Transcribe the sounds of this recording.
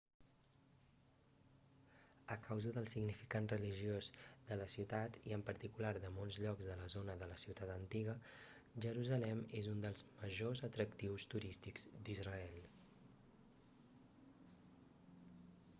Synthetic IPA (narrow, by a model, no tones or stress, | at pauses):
əkʰawzəðəlˠsiɡnifikanrəliʒiozðələsiwt̪at̪ḭəmpəɾt̪ikulaɾðəmɔlˠzʎɔkzðələzonəðələsiwt̪at̪ənt̪iɣə | ʒəɾuzəlɛmezund̪əlˠzməʒozət̪ɾək̚t̪iwst̪uɾist̪ikz̥d̪izrəɛlˠ